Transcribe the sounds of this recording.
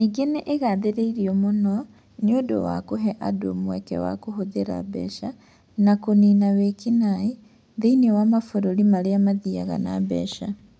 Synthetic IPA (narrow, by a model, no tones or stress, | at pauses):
niɡeneʔeɣaðeɾeiɾiɔmonɔ | neodo̰wa̰koɦɛʔado̰mwɛ̰kɛ̰wa̰koɦoðeɾa̰bɛ̰ʃa | nakoniːnawekinai | ðeinewamafoɾoɾimaɾeamaðia̰ɣa̰na̰bɛ̰ʃa